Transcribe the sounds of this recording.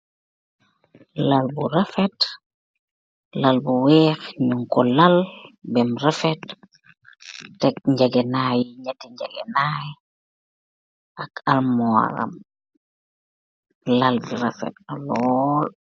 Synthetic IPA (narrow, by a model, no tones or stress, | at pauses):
lalbuɾafet | lalbuwɛxɲuŋkɔlalbɛmɾefet | ɛk̚ɲɟaɡenajɲɟatiɲɟa̰ɡḛnaj | akʰalmɔa̰ɾa̰m | lalbiɾafḛt̚alɔl